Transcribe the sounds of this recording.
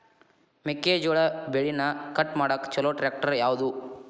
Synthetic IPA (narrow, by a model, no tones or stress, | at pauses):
mekːeːd͡ʒɔɭɐbeɭinɐkɐʈmaːɽɐkːt͡ʃɔloːʈɾeːk̚ʈɐɾjaːʋud̪u